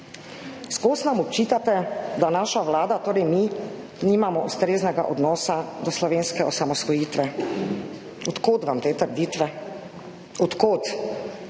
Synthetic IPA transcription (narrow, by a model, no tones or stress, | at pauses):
skoːsnamɔpt͡ʃiːt̪at̪ɛd̪anaːʃaʋlaːd̪at̪oːɾɛjmi | niːmamɔʔust̪ɾeːznɛɡa̰ʔɔd̪nɔːsad̪ɔslɔʋeːnskɛɔsamɔsʋɔjiːt̪ʋɛ | ɔt̪koːt̪ʋamt̪eːt̪əɾd̪iːt̪ʋɛ | ɔt̪koːt̪